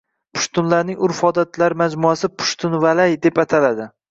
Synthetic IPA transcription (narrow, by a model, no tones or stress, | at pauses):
pʰʊ̥ʃt̪ʰʊnlaɾnɪŋʊɾfɒd̪at̪laɾmad͡ʒmʊasɪpʰʊ̥ʃt̪ʰʊnvalajd̪e̞pat̪ʰalad̪ɪ